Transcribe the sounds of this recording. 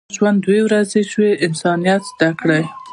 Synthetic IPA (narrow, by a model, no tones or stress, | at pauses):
ʒwand̪wewɾazeʃweʔɪnsɑnijat̪zd̪akɽaj